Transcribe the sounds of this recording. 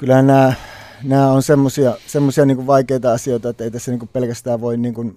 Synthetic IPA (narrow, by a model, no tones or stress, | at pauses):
kylæhænnæː | næːonsemːosiɑsemːosiɑniːŋkuʋʋɑˑikeˑit̪ɑɑsioˑit̪ɑet̪ːæeˑit̪æsːæniːŋkuppelkæst̪æːʋʋoˑinniːŋkun